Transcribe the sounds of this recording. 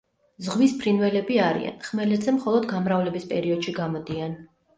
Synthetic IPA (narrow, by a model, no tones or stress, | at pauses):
zʁwispʰɾinvɛlɛbiaɾḭa̰nχmɛlɛd̪zɛmχɔlˠɔd̪ɡamɾavlɛbispʼɛɾiɔd̪̥ʃiɡamɔd̪ian